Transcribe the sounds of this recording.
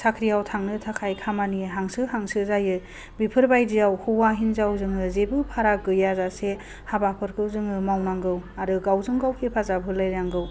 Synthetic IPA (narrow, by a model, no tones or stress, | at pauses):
sakʰɾijawtʰaŋnɯtʰakʰajkʰamaniɦaŋsɯɦaŋsɯzajɯ | bipʰɯɾbajdijawhuwaɦinzawzɯŋɯzebɯpʰaɾaɡɯjazase | habapʰɯɾkʰɯwzɯŋɯmawnaŋɡɯwaɾɯɡawzɯŋɡawkʰipʰazabʱɯlajɾaŋɡɯw